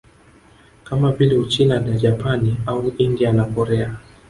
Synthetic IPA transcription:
kamavilɛut͡ʃinanaʄapaniauʔindianakɔɾɛa

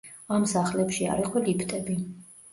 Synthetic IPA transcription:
amsaχlɛpʃia̰ɾiqʼʰwɛlipʰt̪ʼɛbi

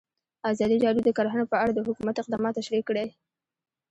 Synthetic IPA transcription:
azɑd̪iɖɑɾjod̪əkɑɾɦanopəaɽad̪əhʊkumat̪ɪq̚d̪ɑmɑt̪ːaʃɾikːɽe

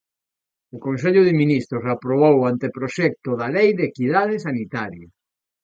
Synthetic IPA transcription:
okonseʎʊðɪminist̪ɾosapɾoβ̞owant̪epɾoʃɛk̚t̪ʊðalejðekiðað̞ɪsanit̪aɾja

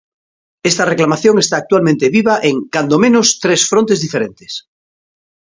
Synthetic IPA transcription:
est̪areklamaθjõŋest̪aːk̚t̪walmẽnt̪eβiβaʔeŋkand̪omẽnost̪ɾesfɾõnt̪ezðifeɾẽnt̪e̥s

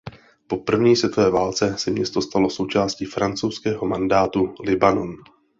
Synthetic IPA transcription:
po̞pr̩vɲiːsvʲjɛt̪ovɛːvaːlt͡sɛsɛmɲɛst̪o̞st̪alo̞so̞wt͡ʃaːsciːfɾant͡sowskɛːɦo̞mandaːt̪ulɪbano̞n

